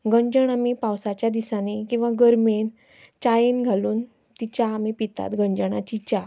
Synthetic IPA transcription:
ɡəɲd͡ʑəɳamipawsat͡ɕjad̪isanekĩw̃ʋaɡəɾmen | t͡ɕajenɡʱaluːn | t̪it͡ɕjaːmipit̪a̰t̪ɡəɲd͡ʑəɳ̃at͡ɕit͡ɕa

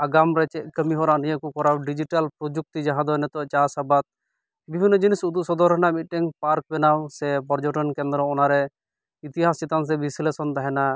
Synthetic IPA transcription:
aɡamɾɛt͡ʃɛʔ̚kəmiɦɔɾanijəʔkukɔɾawɖid͡ʒiʈalpɾod͡ʒuk̚t̪id͡ʒaɦãd̪ɔjnɛt̪ɔt͡ʃasabat̪̚ | bibʱinːɔd͡ʒinisud̪usɔd̪ɔɾɔnamit̪̚ʈɛŋpaɾk̚bɛnawsɛpɔɾd͡ʒɔʈɔnkɛ̃nd̪ɾɔɔnaɾɛ | it̪iɦasit̪ans̬ɛbislesɔnt̪aɦɛna

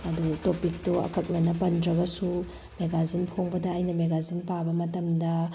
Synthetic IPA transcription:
ɐdutopik̚toɐ̰kʰɐk̚nɐnɐpɐndɾɐɡɐsu | meɡazinpʰoŋbɐdɐːjnɐmeɡazinpabɐmɐtɐmdɐ

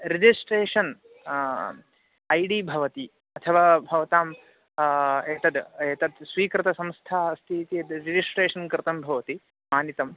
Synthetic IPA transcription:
ɾid͡ʒisʈɾeːʂɐn | ɐjɽiːbʱɐʋɐt̪i | ɐt̪ʰɐʋaːbʱɐʋɐt̪aːm | eːt̪ɐd̪eːt̪ɐd̪sʋiːkɾɨt̪ɐsɐ̃mst̪ʰaːst̪ʰit̪ied̪ɾid͡ʒisʈɾeːʂɐnkɾɨt̪ɐmbʱɐʋɐt̪i | maːnit̪ɐm

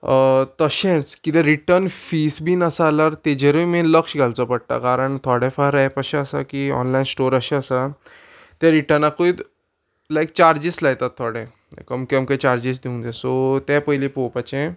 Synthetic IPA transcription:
t̪əɕɛ̃t͡skit̪ɛ̃ɾiʈəɾnfisbiːnəsaːlaɾt̪ed͡ʑeɾəjmẽləkɕɡʱalt͡sɔpəɽ̚t̪a̰kaɾəɳt̪ʰɔɽɛfaɾajpəɕɛ̃əsa̰kiɔ̰nlainsʈoɾəɕɛ̃əsa | t̪ɛ̃ɾiʈəɾnakoit̪ | lajk̚t͡ɕaɾd͡ʑislajt̪at̪ʰːɔɽɛ̃ | kəmkəmkẽt͡ɕaɾd͡ʑis̬d̪iũnd͡zɛsɔt̪ɛpəjlipopat͡ɕɛ̃

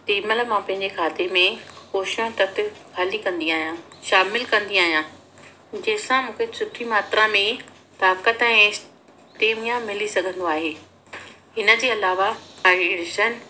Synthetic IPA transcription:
t̪iːməlmãːpɐ̃ɦɪ̃ɲd͡ʑekʰaːt̪emẽxoːʃõt̪ɐt̪ʰɪ̆kʰaːlikɐ̃nd̪iaːɦijãʃaːmɪlkɐ̃nd̪iaːɦijã | d͡ʑɐɦɪ̃sãmũːkʰesʊʈʰːimaːt̪ɾãmẽ | t̪aːkət̪ɛ̃ː | ʈeːmijãmɪlisɐɡʱə̃nd̪oaːɦeː | ɦɪnə̆d͡ʑeːɐlaːʋaaːiɽɪʃən

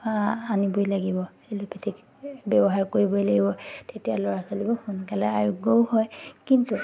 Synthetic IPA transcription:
anibojlaɡibɔ | elopʰetʰik | bɛbɔɦaɹkoɹibɔjlaɡibɔtetijalɔɹasolibɔxunkalɛaɹuɡowhɔjkintu

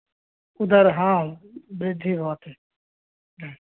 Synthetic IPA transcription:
ʊd̪əɾɦãːbɾed̪ʱiːɦoːat̪ʰeː | neː

